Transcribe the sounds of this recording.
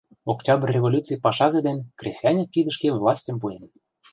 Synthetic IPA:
oktʲɑbərʲːevolʲut͡sɨjpɑʃɑzed̪enkrʲesʲjɑnʲɤkid̪ə̆ʃkevlˠɑsʲtʲə̆mp̬uen

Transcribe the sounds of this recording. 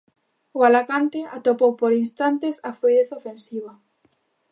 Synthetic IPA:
ʊalakant̪ɪat̪opowpoɾinst̪ant̪ɪsafɾuiðeθofẽnsiβ̞ɐ

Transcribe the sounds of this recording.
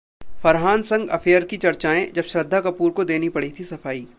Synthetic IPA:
fɐɾɦaːnsɐ̃ŋɡɐ̰fʰeːəɾkit͡ʃɐɾt͡ʃaːẽd͡ʒɐbʃɾɐd̪ʱːakɐpuːɾkod̪eːnipɐɽit̪ʰisɐfaːiː

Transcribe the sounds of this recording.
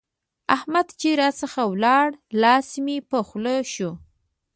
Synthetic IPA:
ahmad̪t͡ʃiɾɑsəxawlɑɽlɑsmipəxləʃu

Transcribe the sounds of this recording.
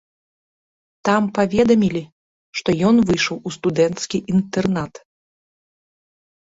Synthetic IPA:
t̪ampavʲɛd̪ɐmʲilʲi | ʂt̪ɔjɔnvɨjʂɐwust̪ud̪ɛnt̪skʲiʔint̪ɛrnat̪

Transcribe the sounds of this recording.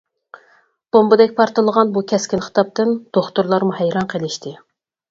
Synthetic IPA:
b̥ombɨd̪ɛkʲpʰɑɾt̪ɨlˠəʁɑnbukʲʰɛskʲinχə̥t̪ɑp̚t̪ɨnd̪̥oχt̪uɾlˠɑɾmuhɛjɾɑnqʰelˠɪʃt̪ʰɪ

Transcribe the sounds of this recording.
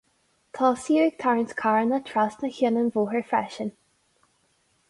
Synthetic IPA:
kʰɔsiəɪɡ̚t̪ʰaɹənskʰaɹnətʰɹasnəçənənvoːɦəɹfɹɛ̰ʃən

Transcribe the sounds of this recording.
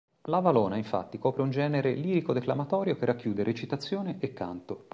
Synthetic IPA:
lavalɔːnaiɱfa̰t̪ːikɔːpɾeund͡ʒɛːneɾeliːɾikod̪eklamat̪ɔːɾjokerːakːjuːd̪eɾʔet͡ʃit̪at̪sːjoːneʔekːa̰nt̪o

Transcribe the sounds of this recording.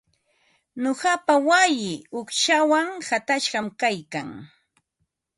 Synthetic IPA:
noɢɑpawajɪʊkʃawaŋhat̪aʃɢɑmkajkaŋ

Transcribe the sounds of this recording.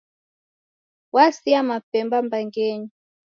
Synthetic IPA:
wasiamapɛmbambaŋɡɛɲi

